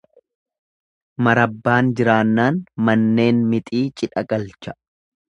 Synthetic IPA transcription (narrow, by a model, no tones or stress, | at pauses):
mɐɾɐbːaːnd͡ʒɪɾaːnːaːnmɐnːe̞ːnmɪt̪ʼiːt͡ʃʼɪᶑɐkʼɐlt͡ʃɐ̥